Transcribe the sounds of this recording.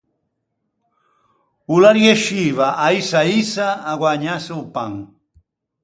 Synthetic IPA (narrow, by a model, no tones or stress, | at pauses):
ulaɾjeʃiβaʔajsaisaːɡwaɲasuwpaŋ